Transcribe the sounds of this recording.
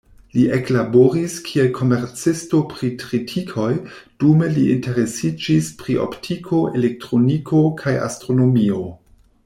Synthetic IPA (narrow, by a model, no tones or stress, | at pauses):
liʔeklaboɾiskʰielkʰo̞me̞ɾt͡sisto̞pɾitɾitʰikʰo̞jd̥ume̞liʔinte̞ɾe̞sid͡ʒispɾiʔo̰ptʰikʰo̞ʔe̞lek̚tɾo̞nikʰo̞kʰaja̰stɾo̞no̞mio̞